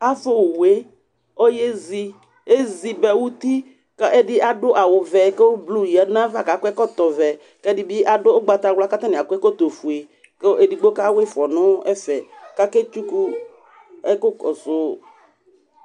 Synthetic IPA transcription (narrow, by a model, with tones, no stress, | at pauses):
a˦fʊ˦˨we˦ | o˦je˦zi˦ | e˦zi˨bɛ˨wu˦t̪i˦ | ke˦ɛ˦dɪ˦ʔa˨dʊ˦ʔa˨wʊ˨vɛ˨ke˦blu˦˨jɛ˨nã˦va˦˨ka˨kʊ˦ɛ˦kɔ˦t̪ɔ˨vɛ˨ | kɛ˦dɪ˦bɪ˦ʔa˨dʊ˦ɡ͡ba˨t̪a˨ɡla˦ka˦t̪a˦nɪ˨a˨ku˦ɛ˦kɔ˦t̪o˨fu˨e˨ | ke˦ʔe˨di˨ɡ͡bo˦ka˦we˦fɔ˨nʊ̃˦ɛ˦fɛ˨ka˦ke˦t͡ʃu˦ku˦ | ɛ˦kʊ˦kɔ˨zʊ˨